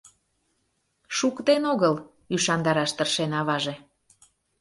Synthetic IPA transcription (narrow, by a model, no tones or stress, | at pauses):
ʃukt̪enoɣəl | yʃɑnd̪ɑɾɑʃt̪ərʃenɑβɑʒe